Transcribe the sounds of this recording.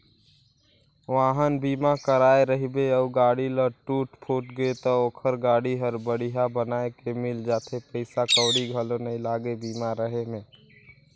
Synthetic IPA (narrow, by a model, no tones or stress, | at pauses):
ʋaːɦənbiːmakəɾaːeɾəɦibeəbɡaːɽiləʈuːʈpʰuːʈɡet̪ooːkʰəɾɡaːɽiɦəɾbəɽiɦabənaːekemɪld͡ʒaːt̪ʰepəɪsakəːɽiɡʱəlõnɐĩlaːɡebiːmaɾəɦemẽː